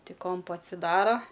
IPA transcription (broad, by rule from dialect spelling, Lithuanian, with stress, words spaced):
ˈtʲɪk ˈkoːmpʊ ɐtʲsʲɪˈdɑːroː